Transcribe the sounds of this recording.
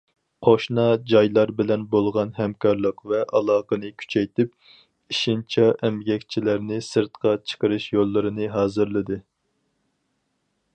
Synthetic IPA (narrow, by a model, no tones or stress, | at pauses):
qʰoʃnɑd͡ʒɑjlˠɑɾbɪlɛnbolˠʁɑnhɛmkʰɑɾlˠəqvɛʔɑlˠɑːqənɨkʲʰy̥t͡ʃʰɛjt̪ɪp̚ | iʃint͡ʃʰɛʔɛmɡʲɛkʲt͡ʃʰilæɾnɪsɨɾt̪qʰɑt͡ʃʰə̥qəɾɨʃjolˠːɨɾɨnɨɦɑːzɨɾlˠɨd̪ɨ